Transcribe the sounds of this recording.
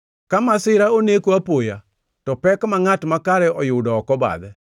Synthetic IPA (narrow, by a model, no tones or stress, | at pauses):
kamasɪɾaonekoapoja | tɔpɛkmaŋatmakaɾɛʔɔjʊdɔːkɔba̰d̪ɛ